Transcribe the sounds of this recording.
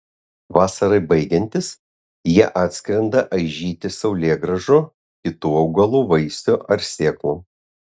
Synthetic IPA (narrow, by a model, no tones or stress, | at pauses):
ʋɑːsɐɾɐɪbɐɪɡʲɛnʲt̪ʲɪs | jiɛʔɑːt̪ʲsʲkɾʲɛnd̪ɐʔɐɪʒʲiːt̪ʲɪsɒʊlʲeːɡɾɐʒoː | kʲɪt̪uːɐʊɡɐlˠuːʋɐɪsʲoːʔɐɾsʲeːklˠuː